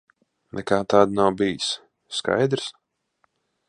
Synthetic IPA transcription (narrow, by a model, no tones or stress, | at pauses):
nʔɛkaːt̪aːd̪nawbijisː | ka̰jd̪ɾs